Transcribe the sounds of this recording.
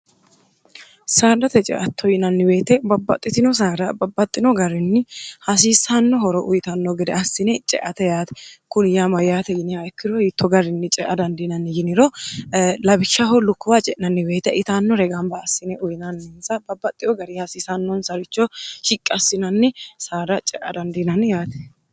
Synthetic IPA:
saːd̪ɐt̪ɛt͡ʃʼɛ̰ʔɐt̪ːɔjɪnɐnːɪbe̞ːt̪ɛbɐbːɐt̪ʼːɪt̪ɪnɔs̬aːɾɐbɐbːɐt̪ʼːɪnɔɡɐɾɪnːɪhɐs̬iːsanːɔhɔɾɔʔʊjɪt̪ɐnːoɡɛd̪ɛɐsːɪnɛt͡ʃʼɛ̰ʔɐt̪ɛjaːt̪ɛ̥kʊnjamɐjaːt̪ɛjɪnɪhɐɛkːɪɾojɪt̪ʰːɔɡɐɾɪnːɪt͡ʃʼɛʔɐd̪ɐnd̪ɪnɐnːɪjɪnɪɾo | lɐbɪʃːahɔlʊkːʊwat͡ʃʼɛʔnɐnːɪbeːt̪ɛʔɪt̪anːɔɾɛɡambɐɐsːɪnɛʔʊjɪnɐnːɪnsɐbɐbːɐt̪ʼːɪɔɡɐɾihɐsiːsanːɔnsɐɾɪt͡ʃːoʃɪkʼːɐsːɪnɐnːɪsaːɾɐt͡ʃʼɛʔɐ̰d̪ɐnd̪ɪnɐnɪjaːt̪ɛ̥

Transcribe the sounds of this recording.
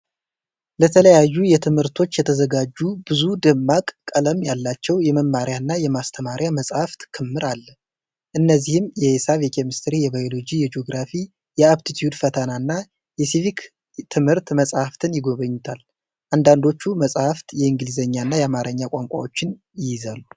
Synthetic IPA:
lət̪ʰələjajːujɛt̪ʰɨmhɨɾt̪ʰo̞t͡ʃːjɛt̪ʰəzəɡad͡ʒːubɨzud̪ɨmːakʼkʼːələmjalːat͡ʃːɛwjɛməmːaɾjanːajɛmast̪ʰəmaɾjaməsʼhaft̪kʰɨmːɨɾʔalː | ʔɨnːəzːihɨmjɛhesaβjɛkʰemist̪ʰɾijɛβajo̞lo̞d͡ʒijɛd͡ʒio̞ɡɾafi | jɛaβt̪ʰit̪ʰijud̪fət̪ʰənanːa | jɛsivik | t̪ʰɨmhɨɾt̪məsʼhaft̪ʰɨnjɪɡo̞βəɲːut̪ʰal | ʔand̪and̪o̞t͡ʃːuməsʼhaft̪jɛɨŋɡlizəɲːanːajɛamaɾəɲːakʷʼaŋkʷʼa̰wo̞t͡ʃːɪn | jɪjɪzalːu

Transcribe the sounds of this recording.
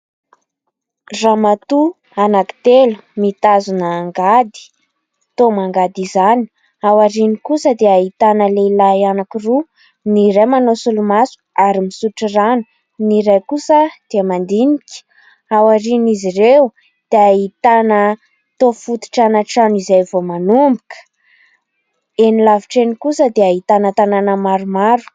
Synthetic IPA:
ramat̪u | anaki̥t̪elumit̪azunaːŋɡad̪i̥ | t̪omaŋɡad̪izani̥ | awaɾinikusəd̪eaɦit̪anəlelaianakiru | nirajmanosulumasu̥aɾimisuʈ͡ʂiranu̥ | niɾajkusəd̪̥emand̪inikʲi̥ | awaɾinizirew | d̪̥eaɦit̪anə | t̪ofut̪i̥ʈ͡ʂanaʈ͡ʂanizajvomanumbukə̥ | enilaviʈ͡ʂenikusəd̪eaɦit̪anət̪ananəmaɾumaɾu̥

